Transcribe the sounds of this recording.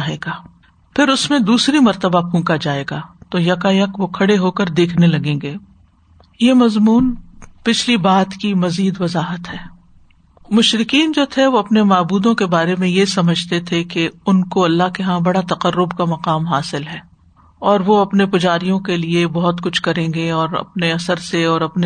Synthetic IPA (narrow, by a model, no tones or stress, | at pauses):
ɦeːɡaː | pʰɪɾʊsmẽd̪uːsɾimɐɾt̪əbakʰũːkad͡ʒaːeːɡaːt̪oːjɐkajɐkʋokʰɐɽeɦoːkɐɾd̪eːkʰnelɐɡẽːŋɡeː | jemɐzmuːnpɪt͡ʃʰlibaːt̪kimɐziːd̪ʋɐzaːɦət̪ɦɛː | mʊʃɾɪkiːnd͡ʒoːt̪ʰeʋoɐpnemaːbuːd̪õkebaːɾemẽjesɐməd͡ʒʱt̪et̪ʰekeʊnkoɐlːaɦkeɦãbɐɽat̪ɐqəɾːʊbkamɐqaːmɦaːsɪlɦɛː | ɔːɾʋoɐpnepʊd͡ʒaːɾijõkeliebɔɦʊt̪kʊt͡ʃʰkɐɾẽːɡeɔːɾɐ̰p̚neɐsəɾseɔːɾɐpne